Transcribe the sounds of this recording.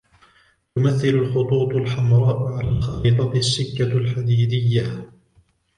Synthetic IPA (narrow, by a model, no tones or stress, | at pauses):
t̪ʊmaθːɪlʊlxʊt̪ˤuːt̪ˤʊlħamɾˤɑːʔʊʕalaːllxɑɪːd̪ˤɑt̪ɪasːɪkːalħad̪iːd̪ɪjːa